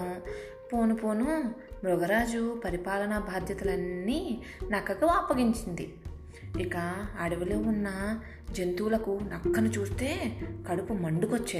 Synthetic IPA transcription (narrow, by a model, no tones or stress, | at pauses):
po̞ːnupoːnumɾɔɡɐɾaːd͡ʒupɐɾipaːlɐnɐbʱaːd̪ʱjɐt̪ɐlɐnːiː | nɐkːɐkɐʋaːpːɐɡiɲt͡ʃind̪ḭ | ikɐːɽɐʋɐloːunːɐ | d͡ʒent̪uːlɐkunɐkːɐnut͡ʃuːst̪e̞ːkɐɽupumɐɳɖukot͡ʃːe